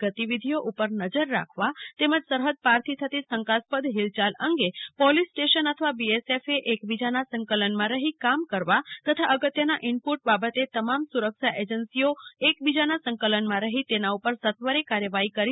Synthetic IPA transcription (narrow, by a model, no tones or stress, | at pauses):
ɡət̪iʋid̪ʱijoʔupəɾnəd͡ʒəɾːa̰kʰʋat̪eməd͡ʒsəɾɦəd̪̚paɾt̪ʰit̪ʰət̪isə̃ŋkaspəd̪ʱɦilt͡ʃaləŋɡepɔlisʈeʃənət̪ʰəʋabiesefeʔekbid͡ʒanasəŋkələnmãɾəɦikamkəɾʋat̪ət̪ʰaʔəɡət̪jənaʔɪɳpuʈ̚babət̪et̪əmamsuɾəkʃaʔed͡ʒənsioekbid͡ʒanasə̃ŋkələnmãɾəɦit̪enaupəɾsət̪ʋəɾekaɾjəʋaɦikəɾi